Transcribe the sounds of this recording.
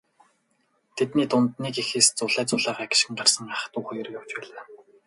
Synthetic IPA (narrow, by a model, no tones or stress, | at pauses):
t̪ʰet̪niːt̪ʊnt̪niːkexeːst͡sʊɮæːt͡sʊɮaːʁaːɡɪ̥̆ʃxɘ̆ŋɢarsə̆ŋaχ̆t̪uːχɔjɞ̆rjaw̥t͡ɕpæːɮaː